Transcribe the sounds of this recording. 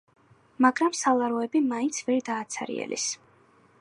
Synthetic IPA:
maɡɾamsalˠaɾɔɛbimaint̪sʰvɛɾd̪aːt̪sʰa̰ɾḭɛ̰lʔḭs

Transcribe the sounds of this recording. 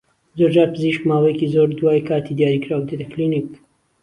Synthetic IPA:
zoɾd͡ʒaːɾpʰɨziʃkmaːwejecizoːɾd̪waːjkʰaːt̪ʰid̪jaːɾikɾaːwt̪ed̪ɐklinik

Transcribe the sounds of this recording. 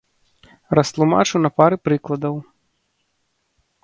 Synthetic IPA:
rɐst̪lˠuma̰t͡ʂunɐpaɾɨpɾɨklˠɐd̪ɐw

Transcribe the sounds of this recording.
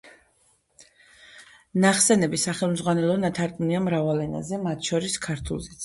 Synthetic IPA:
naχsɛnɛbisaχɛlˠmzʁwanɛlˠɔnat̪ʰaɾkʼuniamɾavalɛna̰zɛmat̪ʰʃɔɾiskʰaɾt̪ʰṵlˠzɛt̪sʰ

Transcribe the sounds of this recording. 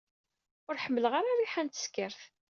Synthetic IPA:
ʊɾħəmːələʁaɾaɾiħænt̪ə̥skːəɾθ

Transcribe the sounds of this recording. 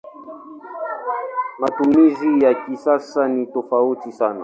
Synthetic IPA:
matumizijakisasanitɔfautisana̰

